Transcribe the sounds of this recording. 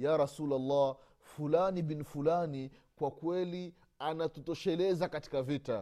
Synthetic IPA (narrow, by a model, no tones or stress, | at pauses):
jaɾasulalːa | fulanibinifulanikwakwɛli | anatutɔʃɛlɛzakati̥kavita